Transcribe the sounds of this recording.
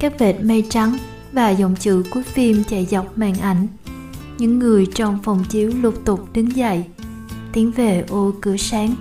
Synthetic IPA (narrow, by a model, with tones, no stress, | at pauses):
kaː˦˥k̚ve˨˩t̚mə˧jt͡ɕa˨˦ŋ | vaː˨˩zɔ̰˧˨wŋ͡mt͡ɕɨ̰˧˨ku˨˦ək̚fi˧mt͡ɕa˧˩jza˨˩wk͡p̚ma̰ː˧˨nʔa˧˩jŋ̟ | ɲɨ̰˧˥ŋːɨ˨˩əjt͡ɕɔ˧wŋ͡mfə˨˩wŋ͡mt͡ɕi˨˦əwlu˨˧˩p̚t̪ʊ˨˩k͡p̚ɗɨ˨˦ŋza̰˧˨j | t̪i˨˦əŋve˨˩ʔo˧kɨ˧˩˦əsaː˨˦ŋ